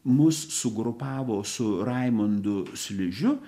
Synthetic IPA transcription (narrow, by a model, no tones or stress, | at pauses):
mʊsːʊɡɾʊpɑːʋoːsʊɾɐɪmɐnd̪ʊsʲlʲɪʒʲʊ